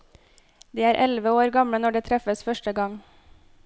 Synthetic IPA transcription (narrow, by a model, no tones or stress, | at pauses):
d̪iːæːɾʔɛlʋəoːɾɡɑmɽənɔɖeːt̪ʰɾɛfəsfœʃʈəɡɑŋ